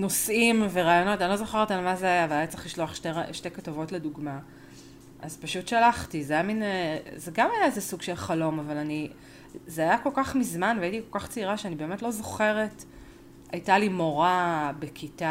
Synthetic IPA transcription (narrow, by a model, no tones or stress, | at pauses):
no̞sʔimveʁaːjo̞no̞tanilo̞zo̞χeʁetalmazeajaveajat͡se̥liʃloaχʃteʁaʃte̞jkatavo̞tle̞duɡma | ʔazpaʃutʃalaχtizajaminzeɡamajaezesuɡʃelχalo̞mavalani | zeajako̞lkaχmizmanveajitikolkaχt͡siʁaʃeanibe̞ːmetlo̞zo̞χe̞ʁe̞t | ajtalimo̞ʁabekʰita